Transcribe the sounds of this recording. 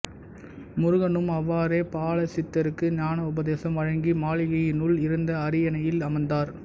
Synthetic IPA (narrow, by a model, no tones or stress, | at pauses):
mʊɾʊɣɐnɯmɐʋːaːɾeːpaːɭɐsɪt̪ːɐɾɯkːɯɲaːnɐʊbɐðeːsɐmʋɐɻɐŋɡimaːɭɪɣɐjɪnʊɭɪɾɯnd̪ɐːɾɪjɐnɐjɪlɐmɐnd̪aːɾ